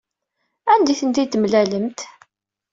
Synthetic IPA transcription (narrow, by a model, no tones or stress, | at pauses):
ænd̪iθənt̪it̪əmlæləmt̪